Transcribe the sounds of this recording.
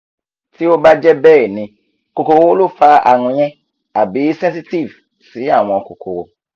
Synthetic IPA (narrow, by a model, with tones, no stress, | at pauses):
ti˦o˦ba˦d͡ʒɛ˦bɛː˦˨nĩ˧ | ko˨ko˧wo˦lo˦fa˧a̰˨ɾ̃ũ˧j̃ɛ̃˦ | a˨bi˨˦sɛ̃˦si˦ti˦˨v | si˨˦a˦˨w̃ɔ̃˧ko˨kʰo̰˨wo̰˧